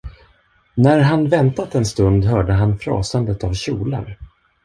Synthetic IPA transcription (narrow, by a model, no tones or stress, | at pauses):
næɾɦanvɛnt̪at̪ɛnst̪ɵnd̪ɦœːɖəɦanfɾɑ̰ːsand̪ət̪avɕuːla̰ɾ